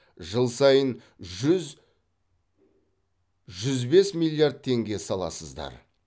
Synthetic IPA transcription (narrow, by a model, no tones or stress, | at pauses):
ʒəlˠsɑjən | ʒz | ʒʏzbe̞smilʲˠːijard̪̚t̪ʰe̞ŋɡʲe̞sɑlˠɑ̰səzd̪ɑ̰ɾ